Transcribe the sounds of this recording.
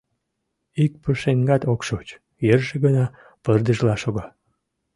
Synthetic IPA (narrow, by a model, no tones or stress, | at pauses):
ik̚pəʃeŋɡɑt̪okʃot͡ɕ | jerʒeɣənɑ | pərd̪əʒlɑʃoɣɑ